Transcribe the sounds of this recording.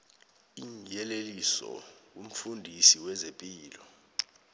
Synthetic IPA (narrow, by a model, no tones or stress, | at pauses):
iŋjɛlelisɔ̰wum̩fundʱisiwɛzepʼiːlɔ